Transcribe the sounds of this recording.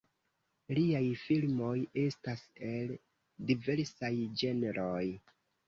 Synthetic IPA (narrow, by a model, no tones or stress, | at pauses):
liajfilmo̞je̞stase̞l | dive̞ɾsajd͡ʒe̞neɾʔoj